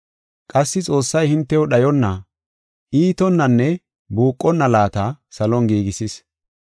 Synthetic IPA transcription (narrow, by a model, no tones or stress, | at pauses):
kʼɐsːɪt͡sʼo̞ːsːɐjhɪnt̪ːɛjɔɗɐjɔnːɐ | ʔiːt̪ɔnːɐnːɛ | buːkʼːɔnːɐlaːt̪ɐsɐlɔŋɡiːɡɪsɪs